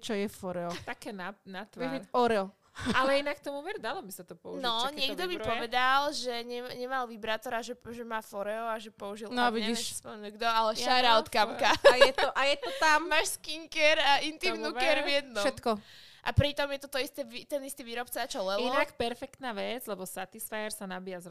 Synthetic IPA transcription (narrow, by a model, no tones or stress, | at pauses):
t͡ʃɔjɛfɔɾɛɔt̪akɛnanat̪ʋɛiɔɾɛɔ | alɛinak̚t̪ɔmuʋɛɾd̪alɔbisat̪ɔpɔunɔɲɪɛɡd̪ɔmipɔʋɛd̪alʒɛɲɛɲɛmalʋibɾat̪ɔɾaʒɛʒɛmaːfɔɾɛɔaʒɛpɔuʒilnɔʋiɛiɛʃspɔmɛnuɡd̪ɔalɛʃaɾaɔt̪kamkajɛt̪ɔʔajɛt̪ɔt̪ammaʃskiŋkɛɾaʔint̪imnukɛɾvjɛd̪nɔʃɛmt̪kɔʔapɾit̪ɔmjɛt̪ɔt̪ɔist̪ɛʋit̪ɛnist̪iʋiːɾɔpt͡saat͡ʃɔlɛliɔnakpɛɾfɛkt̪naʋɛd͡zlɛbɔsat̪isfaɛɾsanabijazɾ